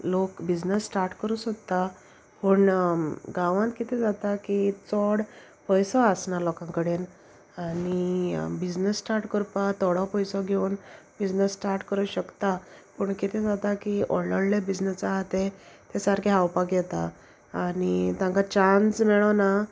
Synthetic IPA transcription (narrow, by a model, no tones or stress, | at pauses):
lokbid͡znəsːʈaɾʈkəɾuːsot̪a | pəɳɡãʋãnt̪kit̪ʰẽd͡zat̪akit͡sɔɽ | pɔjsɔəsnaɾlɔkãŋkəɽen | anibid͡znəsːʈaɾʈkəɾpat̪ɔɽapɔjsɔɡʱeuːn | bid͡znəsːʈaɾʈkəɾuːɕəkt̪apəɳkit̪ʰed͡zat̪akiɔ̰ɾləɽlebid͡znəsaɦat̪et̪esaɾkʰeɦawpaɡɛt̪aː | nit̪jãŋkat͡ɕansmɛɭəna